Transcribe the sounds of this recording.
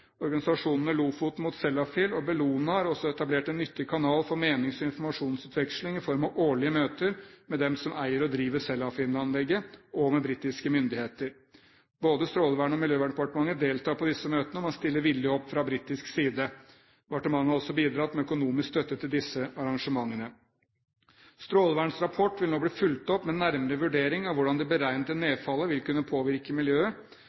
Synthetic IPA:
ɔɾɡɑnɪsɑʂuːnənəluːfʊt̪mʊt̪sɛlɑfɪlɔbɛluːnəhɑɾɔsːɔɛt̪ɑbleːʈɛnːʏt̪ʰːɪɡkʰɑnɑːlfɔɾmeːnɪŋsɔɪnfɔɾmɑʂuːnsʉːt̪ʰʋɛkʂlɪŋɪfɔɾmɑʋʔoːɭɪəmøːt̪əɾmɛd̪ɛmsɔmæɪəɾɔd̪ɾiːʋəsɛlːɑfɪːnɑnlɛɡːəʔɔmɛbɾiːt̪ɪskəmʏnd̪ɪheːt̪əɾ | boːd̪əst̪ɾoːlʋæːɳəɔmɪljøːʋæːɳpɑʈəmɑŋːəd̪eːlt̪ʰɑːpʰɔd̪ɪsːəmøːt̪ənəɔmɑnst̪ɪlːəɾʋɪljəhɔpːfɾɑbɾiːt̪ɪsksiːd̪ə | ʋɑʈəmɑŋːəɔsːɔbiːd̪ɾɑt̪mɛœkʊnuːmɪskst̪œt̪ːət̪ʰɪld̪ɪsəɑɾɑŋʂəmɑŋːənə | st̪ɾoːlʋæːɳsɾɑpʰɔʈʋɪlnoːbliːfʉlt̪ɔpːmɛnːæɾməɾəʋʉɖeːɾɪŋɑʋʊɖɑnd̪ɛbəɾæɪnət̪əneːfɑlːəʋɪlkʉnːəpʰoːʋɪɾkəmɪljøːə

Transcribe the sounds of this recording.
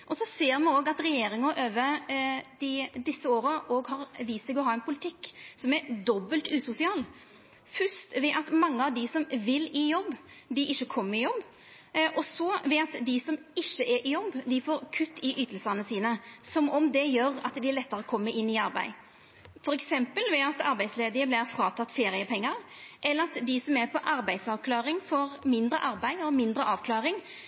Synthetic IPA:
ʔɔsɔseːɾmɑoːɡɑt̪ɾɛjeːɾɪŋəʔøːʋəd̪̥ɪd̪ɪsːəoːɾəʔoːɡɦɑɾʋiːsɛɡɔɦɑːɛnpʰʊlɪt̪ʰɪkːsɔmɛɾd̪ɔbːəlt̪ʉːsʊsɪɑːl | fʉst̪ʋɛʔɑt̪mɑŋːəɑʋd̪ɪsɔmʋɪlɪjɔbː | d̪ɪʔɪʃːəkʰɔmːəɾɪjɔbː | ʔɔsɔʋɛɑt̪d̪ɪsɔmɪʃːəʔɛɾʔɪjɔbːd̪ɪfoːɾkʰʉt̪ːɪʔyːt̪əlsənəsiːnəsɔmɔmd̪ɛjøːɾɑ̰t̪d̪ɪæɾlɛt̪ːəɾəɔkʰɔmːəʔɪnːɪɑɾbæ̰ɪ | fɔɾɛksɛmpəlʋɛɑt̪ɑɾbæɪsleːd̪ɪəblɪɾfɾɑːt̪ʰɑt̪ːfeːɾɪəpʰɛŋːəɾʔɛlːəɾɑt̪d̪ɪsɔmɛɾpʰɔʔɑɾbæɪd̪sɑʋkʰlɑːɾɪŋfoːɾmɪnd̪ɾə̰ʔɑɾbæɪɔmɪnd̪ɾəʔɑːʋkʰlɑːɾɪŋ

